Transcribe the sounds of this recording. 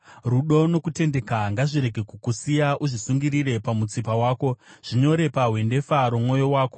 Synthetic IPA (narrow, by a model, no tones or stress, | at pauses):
ruɗo̞no̞kute̞nde̞kaŋɡaʐiɾe̞ɡʱe̞kukusijaʔuʐisuŋɡiɾiɾe̞pamut͡sipawaːko̞ʐ̥iɲo̞ɾe̞paɦwe̞nde̞faɾomŋo̞jo̞waːko̞